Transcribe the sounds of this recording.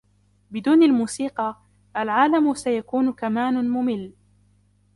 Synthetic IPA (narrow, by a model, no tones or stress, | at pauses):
bɪd̪uːnalmuːsiːqɑ | ʔalʕaːlamʊsajakuːnʊkamaːnʊmʊmɪlː